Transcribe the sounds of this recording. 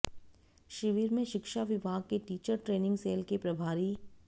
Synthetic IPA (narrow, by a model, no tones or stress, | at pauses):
ʃɪʋiːɾmẽʃɪkʃaʋɪbʱaːɡ̚keʈiːt͡ʃəɾʈɾeːnɪ̃ŋɡseːlkepɾɐbʱaːɾi